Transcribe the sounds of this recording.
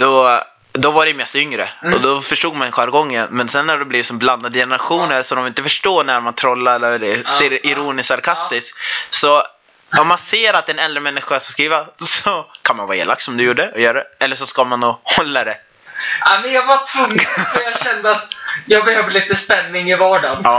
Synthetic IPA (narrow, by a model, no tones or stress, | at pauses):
d̪̥ɔ | d̪ɔvaɖɛjmɛst̪ʏŋɾə̰ɔd̪ɔfœʂʈuːɡ̚manɧaɾɡɔŋːənmɛnsɛnːæɖɛblɪːvsɔmbland̪ad̪əjɛnəɾaɧuːnəɾsɔd̪ɔmɪnt̪əfœʂʈoːnæɾmant̪ʰɾɔlːaɾɛɛɾɛseːɾɪɾuːnɪssaɾkʰast̪ɪsksɔ | ɔmːanseːɾat̪̚ɛnɛld̪ɾəmɛnːɪɧasaskɾiːvasɔkʰanmanvɑːḛːla̰k̚t̪sɔmd̪ɵjuːɖəɔjœːɾaɛɛlːəʂɔskamanːuːhɔlːad̪ɛ | amɛnjɑːvat̪ʰɵŋːfjɑːɕɛnd̪əat̪jɑːɡbɛhøːvəliːt̪əspɛnːɪŋɪvɑːɖanɑː